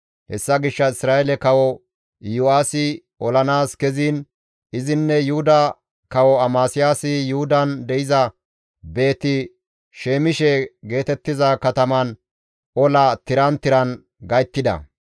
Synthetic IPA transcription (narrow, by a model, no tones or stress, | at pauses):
hɛ̰sːɐɡɪʃːɐɪsɾaːɛlɛkɐwɔ | jʊaːsɪ | ɔlɐnaːskɛziːn | ʔɪzɪnːɛjʊhʊd̪ɐ | kɐwɔɐmaːsɪjaːsɪjʊhʊd̪ɐnd̪ɛɪzɐ | be̞ːt̪ɪ | ʃeːmɪʃɛɡe̞ːt̪ɛt̪ːɪzɐkɐt̪ɐmɐn | ʔɔlɐt̪ɪɾɐnt̪ɪɾɐn | ɡɐjt̪ːɪd̪ɐ̰